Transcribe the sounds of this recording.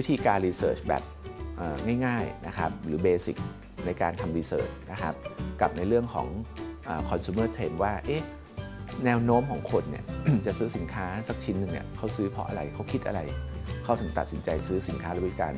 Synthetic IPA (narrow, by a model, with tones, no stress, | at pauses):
wi˦˥t̪ʰiː˧kaː˧nɾiː˧sɤ̰ː˨˩t͡ɕbɛ̰ː˨˩p̚ʔaː˨˩ŋaː˥˩jŋaː˥˩jna˦˥kʰɾa̰˦˥p̚ɾɯː˩˦beː˧sḭ˨˩k̚ | na˧jkaː˧nt̪ʰa˧mɾiː˧sɤ̰ː˨˩t͡ɕna˦˥kʰa˦˥p̚ka˨˩p̚na˧jɾɯ˥˩əŋkʰɔ̰ː˩˦ŋʔaː˨˩kʰɔː˧nsuː˧˦mɤː˥˩t̪ʰeː˧nwaː˥˩ʔeː˦˥˩ | nɛː˧wnoː˦˥mkʰɔː˩˦ŋkʰo˧nːḭ˧˩ɐt͡ɕa˨˩sɯː˦˥si˩˦nkʰaː˦˥sa˨˩k̚t͡ɕʰi˦˥nːɯ˨˩ŋḭ˧˩ɐkʰa˦˥˩wsɯː˦˥pʰɔ˦˥ʔa̰˧ɾa˧jkʰa˦˥wkʰi˦˥t̪̚ʔa̰˧ɾa˧jkʰa˦˥˩wt̪ʰɯ˩˦t̪a˨˩t̪̚si˩˦nt͡ɕa˧jsɯː˦˥si˩˦nkʰaː˦˥lɛ˦i˦˥ka̰ː˧n